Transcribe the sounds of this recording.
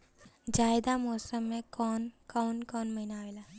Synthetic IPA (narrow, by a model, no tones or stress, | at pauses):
d͡ʒaːɪd̪amɔːsəmːẽkɔːnkɔːnkɔːnmɐɦinaːʋela